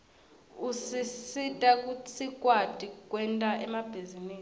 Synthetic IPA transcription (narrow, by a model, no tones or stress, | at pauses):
usisitʼak̬ʼut͡sʰikʼwad̥ʼʱik̬ʼwɛntʼaʔɛmab̥ʱiziniː